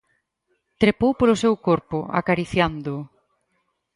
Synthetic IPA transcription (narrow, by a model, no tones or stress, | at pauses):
t̪ɾepowpolʊsewkoɾpʊa̰kaɾiθjand̪ʊ